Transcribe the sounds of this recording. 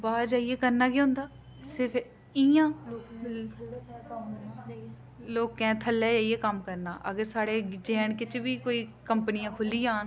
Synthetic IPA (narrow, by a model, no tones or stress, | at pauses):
baːd͡ʒaːiːeːkəɾnaːkeɦʊ̃nd̪aː | sɪɾpʰ | ijãː | loːkːɛ̃ːt̪ʰəlːɛːd͡ʒaːijeːkəmkəɾna̰ːʔə̰ɡəɾsaːɽeːd͡ʒɛːɳkɪt͡ʃʋiːkoːiːkəmpənɪjãːkʰʊlːiːãːn